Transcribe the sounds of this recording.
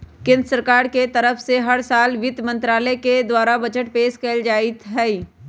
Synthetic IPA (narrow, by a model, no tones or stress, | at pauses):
kɪ̃nɾəsəɾkaːɾket̪ɐɾəfʰseɦɐɾsaːlʋɪt̪mə̃nt̪ɾaːlɛked̪waːɾabɐd͡ʒəʈ̚peːʃkɛːld͡ʒaːit̪ɦɛːi